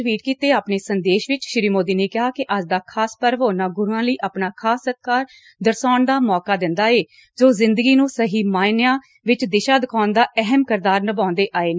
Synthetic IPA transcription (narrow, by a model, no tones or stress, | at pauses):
ʋiːʈ̚kiːt̪eːaːpneːsənd̪eːʃʋɪt͡ʃʃɪɾiːmoːd̪iːneːkɪɦaːkɪʔəd͡ʒd̪aːkʰaːspəɾʋɦoːnaːɡʊɾuãːləiːʔaːpnaːkʰaːsːət̪̚kaːɾ | d̪əɾsaːɳd̪aːmɔːkaːd̪ɪnd̪aːeː | d͡ʒoːzɪnd̪əɡiːnũːsəɦiːmaːnjãː | ʋɪt͡ʃd̪ɪʃaːd̪əkʰaːnd̪aːʔɛɦəmkəɾd̪aːɾnəbãːnd̪eːʔaːeːnː